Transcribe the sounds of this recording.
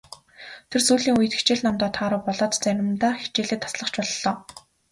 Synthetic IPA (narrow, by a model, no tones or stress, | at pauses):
t̪ʰersuːɮiːŋujɘ̆t̪xi̥t͡ɕeːɮnɔmt̪ɔːt̪ʰaːɾʊ̆ːpɔɮɔːt̪t͡sæɾʲɪ̆mt̪aːxi̥t͡ɕeːɮeːt̪ʰːḁsɮə̆χt͡ɕpɔɮɮɔː